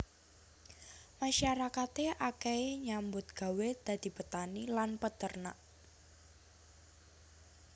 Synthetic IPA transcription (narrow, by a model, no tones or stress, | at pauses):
maʃaɾakat̪eʔakɛeɲambʊt̪̚ɡ̥a̤wed̪̥a̤d̪̥i̤pət̪anilanpət̪ərnaʔ